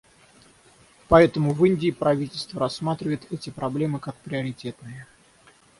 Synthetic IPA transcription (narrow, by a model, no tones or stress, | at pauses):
pɐɛt̪əmʊvɨnʲdʲɪːpɾɐvʲitʲɪlʲst̪vəɾɐsːmat̪ɾʲɪvəjɪt̪ɛtʲɪpɾɐblʲe̞mɨkak̚pɾʲɪəɾʲɪtʲe̞t̪nɨjə